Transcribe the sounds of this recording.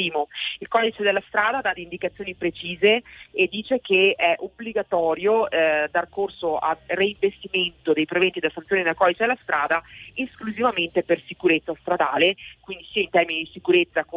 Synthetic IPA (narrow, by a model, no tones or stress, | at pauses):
iːmoilkɔd̪it͡ʃed̪elːast̪ɾaːd̪ad̪ad̪iːnd̪ikat̪sːjoːnipɾet͡ʃiːzeed̪ːiːt͡ʃek̟eɛʔobliɡat̪ɔːɾjod̪ːarkorsoʔa̰reiɱvest̪iment̪od̪ejpɾevent̪id̪elasant̪sjoːnid̪elkɔd̪it͡ʃed̪elːast̪ɾaːd̪aeskluzivament̪epersikuɾet̪sːast̪ɾad̪aːlekwind̪isiaint̪ɛrminid̪isikuɾet̪sːak